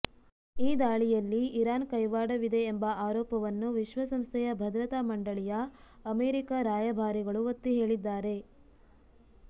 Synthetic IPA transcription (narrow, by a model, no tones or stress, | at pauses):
iːd̪aːɭijɐlːiːɾaːnkɐjʋaːɽɐʋid̪e̞ːmbɐaːɾɔːpɐʋɐnːuʋiʃʋɐsɐmst̪ʰɛjɐbʱɐd̪ɾɐt̪amɐɳɖɐɭijɐː | meːɾikɐɾaːjɐbʱaːɾiɡɐɭuʋot̪ːiɦeːɭid̪ːaːɾe̞